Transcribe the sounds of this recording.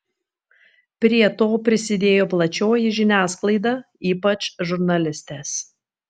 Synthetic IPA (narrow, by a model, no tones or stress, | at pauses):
pʲɾʲiɛt̪oːpʲɾʲɪsʲɪd̪ʲeːjoːplˠɐt͡ʃʲoːjɪʒʲɪnʲæːsklˠɐɪd̪ɑ | iːpɐt͡ʃʒʊɾnɐlʲɪsʲt̪ʲeːs